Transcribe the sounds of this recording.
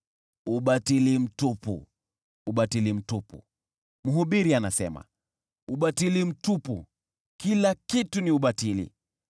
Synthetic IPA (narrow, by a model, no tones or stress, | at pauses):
uɓatilim̩tupṵ | uɓatilim̩tupṵ | muɦuɓiɾianasɛ̰ma̰ | uɓatilim̩tupu | kilakituniuɓatilḭ